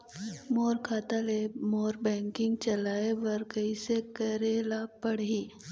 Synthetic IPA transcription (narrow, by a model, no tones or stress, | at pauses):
moːɾkʰaːt̪alemoːɾbɛ̃ːŋkɪ̃ŋɡ̚t͡ʃɐlaːebɐɾkəisekɐɾeːlapɐɽɦiː